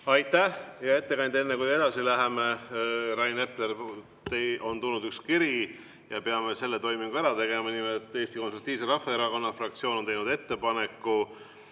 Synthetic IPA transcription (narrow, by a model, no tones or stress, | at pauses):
ɑjt̪ːˑæhjɑe̞t̪ːe̞kɑnd̪e̞nːekuje̞d̪̥ɑsilæɦe̞me̞rɑjne̞pler | t̪eʔo̞nt̪ulnud̪ykskiɾi | jɑpeɑme̞se̞lːe̞t̪o̞jmiŋɡ̥uæɾɑt̪e̞ɡe̞mɑnimet̪ːˑeːst̪iko̞nsult̪ːˑiːvseɾɑhfɑeɾɑko̞nːɑfrɑk̚t̪sio̞ːnot̪ejnud̪e̞t̪ːe̞pɑne̞kːu